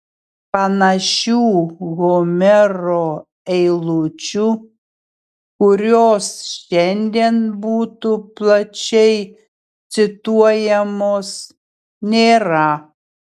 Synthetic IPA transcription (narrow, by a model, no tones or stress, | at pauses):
pɐnɐʃʲuːɣoːmʲɛɾoː | ɛɪlˠut͡ʃʲu | kʊɾʲoːsʃʲɛnʲd̪ʲiɛnbuːt̪uplˠɐt͡ʃʲɛɪ | t̪sʲɪt̪uɔjɛmoːs | nʲeːɾɐ